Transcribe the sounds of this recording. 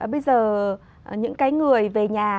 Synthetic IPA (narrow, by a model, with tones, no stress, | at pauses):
ɓə˧jzəː˨˩˨ | ɲɨ̰˧˥ŋkaː˨˦jŋɨ˨˩əjve˨˩ɲaː˨˩